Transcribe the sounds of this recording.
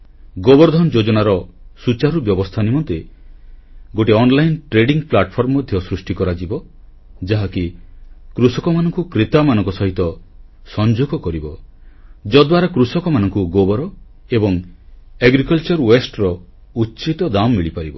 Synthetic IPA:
ɡobɔɾd̪ʱɔnd͡ʒod͡ʒɔnaɾɔsut͡ʃaɾubjɔbɔst̪ʰanimɔnt̪e | ɡoʈiɔnlajnʈɾeɖiŋplaʈpʰɔɾmɔmɔd̪ʱjɔsɾusʈikɔɾad͡ʒibɔ | d͡ʒaɦakikɾusɔkɔmanɔŋkukɾet̪amanɔ̃ŋkɔsɔɦit̪ɔ | sɔnd͡ʒuɡɔkɔɾibɔ | d͡ʒɔd̪waɾakɾusɔkɔmanɔŋkuɡobɔɾɔ | ebɔŋeɡɾikɔlt͡ʃɔɾwesʈɾɔ | utːt͡ʃit̪ɔd̪amːiɭipaɾibɔ

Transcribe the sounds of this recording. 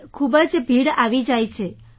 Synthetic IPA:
kʰubəd͡ʒbʱiɽaʋid͡ʒajt͡ʃʰe

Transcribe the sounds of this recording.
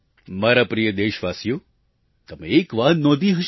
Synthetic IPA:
maɾapɾijəd̪eʃʋasjo | t̪əmeːkʋanɔ̃d̪ʱiɦəʃ

